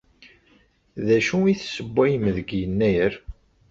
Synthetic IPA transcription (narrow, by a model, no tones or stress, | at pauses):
ðæʃuiθsəbʷːæjəmðəɡjənːæjəɾ